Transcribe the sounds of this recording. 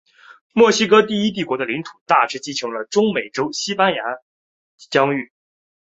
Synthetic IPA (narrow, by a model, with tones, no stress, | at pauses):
mwɔ˥˩ɕi˥kɤ˥t̪̬i˥˩i˥t̪̬i˥˩kwɔ˧˥d̪ə˧li˧˥ŋt̪ʰu̥˨˩t̪a˥˩ʈ͡ʂɻ̩˥t͡ɕi˥ʈ͡ʂʰɤ˧˥ŋlə˧ʈ͡ʂʊ˥ŋme˨˩ɪʈ͡ʂo˥ʊɕi˥pa˥nja˧˥ | t͡ɕjɑ˥ŋy˥˩